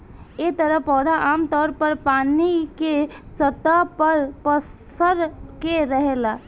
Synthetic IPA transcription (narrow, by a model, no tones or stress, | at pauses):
et̪əɾəpːɔd̪ʱaʔamt̪ɔɾpəɾpanikesət̪apəɾpəs | əɾkeɾəɦela